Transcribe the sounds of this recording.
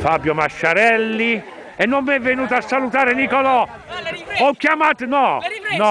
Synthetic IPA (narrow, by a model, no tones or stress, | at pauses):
fabjomaʃːaɾɛlːi | ɛnːomːɛvːenuːt̪aasːalut̪aːɾenikɔlɔ | ɔkːjamat̪nɔnɔ